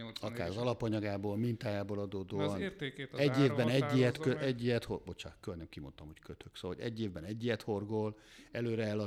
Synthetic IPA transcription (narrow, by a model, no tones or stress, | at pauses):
ɒkaːɾɒzɒlɒpɒɲɒɡaːboːlmint̪aːjaːboːlɒd̪oːd̪oːɒnɛɟːeːvbɛnɛɟːijɛt̪køɛɟːijɛt̪hobot͡ʃa̰kølnɛmkimo̰nt̪ɒmho̞ckøt̪ʰøksoːɒlo̰ɛɟːeːvbɛnɛɟːijɛt̪ho̞rɡolɛløːɾɛɛlɒ